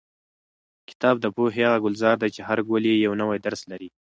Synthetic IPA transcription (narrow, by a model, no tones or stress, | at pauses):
kɪ̥t̪ɑb̚d̪əpoɦeaɣaɡʊlzɑɾd̪ajt͡ʃeɦaɾɡolejawnəwajd̪aɾslaɾi